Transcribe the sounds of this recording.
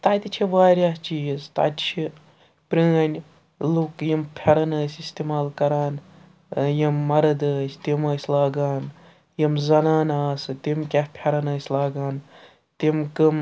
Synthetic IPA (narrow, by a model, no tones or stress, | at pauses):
t̪aːt̪it͡ʃʰiʋaːɾʲjaːst͡ʃizt̪a̰t̪ʲt͡ʃʰi | pɾiːɐnʲ | lukjimpʲʰɐɾɐnɐːsʲist̪emaːlkɐɾaːn | jimːɐɾɐd̪əːsʲt̪imɐːsʲlaːɡaːn | jimzɐnaːnaːsɨt̪imkʲɐhpʰʲɐɾɐnɐːsʲlaːɡaːn | t̪imkɨm